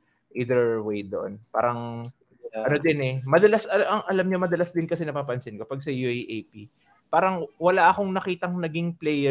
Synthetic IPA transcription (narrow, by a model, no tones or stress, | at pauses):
ʔiːd̪ɛɹwejd̪oʔo̰npa̰ːɾɐŋ | ɐnod̪ɪnɛmɐd̪ɐlasɐʔɐŋʔɐlɐmɲomɐd̪ɐlasd̪ɪnkɐsɛnɐpaːpɐnsɪnkɐpaɡ̚sɐjuʔejʔejpi | paːɾɐŋwɐlaʔɐko̞ŋnɐkiːt̪ɐŋnɐɡiŋplɛjɛ